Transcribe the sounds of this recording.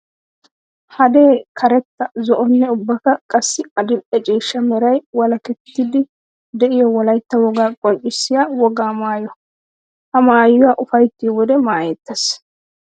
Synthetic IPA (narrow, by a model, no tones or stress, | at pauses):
hɐd̪e̞ːkʰɐɾɛt̪ːɐzɔʔɔnːɛʊbːɐkɐkʼɐsːɪɐd̪ɪʔɛt͡ʃʼiːʃːɐmɛɾɐjwɐlɐkɛt̪ːɪd̪ɪ | d̪ɛʔɪjɔwɔlɐjt̪ːɐwɔɡaːkʼɔnt͡ʃʼːɪsːɪjaːwɔɡaːmaːjɔ | hɐmaːjːʊwaːʔʊfɐjt̪ːɪwɔd̪ɛmaːjeːt̪ːɐs